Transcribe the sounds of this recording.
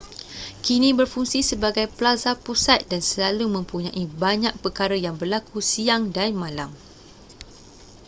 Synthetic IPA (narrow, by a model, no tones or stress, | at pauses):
kinĩbərfuŋsisəbaɡajplazapusat̪̚dansəlalumə̃mpuɲãʔibaɲãk̚pəkaɾəjaŋbərlakusiaŋdanmãlam